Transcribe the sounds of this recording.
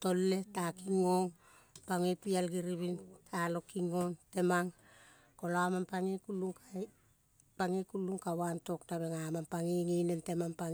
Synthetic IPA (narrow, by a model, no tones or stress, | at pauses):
to̞lːe̞takiŋo̞ŋ | paŋepialɡiɾiβintʰalo̞kiŋo̞nte̞maŋ | ko̞loamanpaŋekulːuŋka | paŋekulːuŋkawanto̞ktaβe̞ŋamanpaŋiŋinente̞mampaŋ